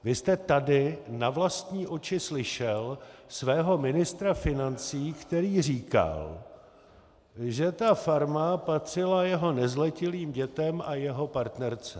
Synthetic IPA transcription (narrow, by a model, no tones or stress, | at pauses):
vɪst̪ɛt̪adɪnavlast̪ɲiːʔo̞t͡ʃɪslɪʃɛlsvɛːɦo̞mɪnɪst̪ɾafɪnant͡siːkt̪ɛɾiːr̝iːka̰l | ʒɛt̪afaɾmapat̪r̝̥ɪlajɛɦo̞nɛzlɛcɪliːmɟɛt̪ɛmʔajɛɦo̞paɾt̪nɛɾt͡sɛ